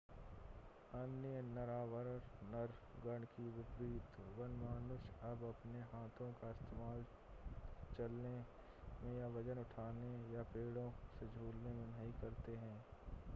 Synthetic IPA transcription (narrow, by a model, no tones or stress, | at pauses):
ɐnjənɐɾaːʋəɾɾnɐɾɡɐɳɖkiʋɪpɾiːt̪ʋɐnmaːnʊʃɐbɐpneɦaːt̪ʰõkaɪst̪eːmaːl | t͡ʃɐlne | mẽjaʋɐd͡ʒənʊʈʰaːnejapeːɽõsed͡ʒʱuːlnemẽnɐɦĩkɐɾt̪eɦɛ̃ː